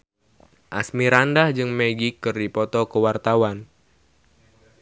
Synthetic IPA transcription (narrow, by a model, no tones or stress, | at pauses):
ʔa̰smiɾandahd͡ʒɨŋmeɡikːɨrdipɔt̪ɔkəwart̪awan